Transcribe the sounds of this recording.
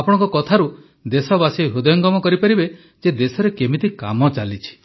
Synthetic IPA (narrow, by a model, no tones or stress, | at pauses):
apɔɽ̃ɔ̃ŋkɔkɔt̪ʰaɾu | d̪esɔbasijɦud̪ɔjɔŋɡɔmɔkɔɾipaɾibe | d͡ʒed̪esɔɾekemit̪ika̰mɔt͡ʃalit͡ʃʰi̥